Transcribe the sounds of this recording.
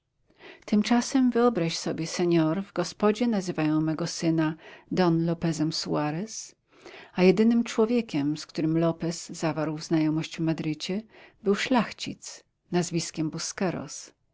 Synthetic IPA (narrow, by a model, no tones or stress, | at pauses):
t̪ɘmt͡ʂasɛmvɘɔbɾaɕsɔbʲjɛsɛɲɔɾvɡɔspɔd͡ʑɛnazɘvajɔ̃w̃mɛɡɔsɘnad̪ɔnlɔpɛzɛmsuaɾɛs | ajɛd̪ɘnɘmt͡ʂwɔvʲjekʲɛmskt̪uɾɘmlɔpɛz̥ːavaɾwvznajɔmɔɕd͡ʑvmad̪ɾɘt͡ɕɛbɘwʂlaxt͡ɕḭt̪s | nazvʲiskʲɛmbuskɛɾɔ̰s